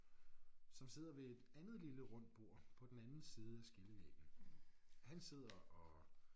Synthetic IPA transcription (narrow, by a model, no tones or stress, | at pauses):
sɒ̽mse̝ð̰ˠɐʋe̝e̝d̥ænð̞̩ˠliləʁɔ̽n̰d̥̚b̥o̝ɐ̰pʰɒ̽d̥enænn̩ˠsiːð̞̩ˠæsɡ̥eləʋɛ̰ːɡ̥n̩ | hænse̝ð̞̰ˠɐɒ̽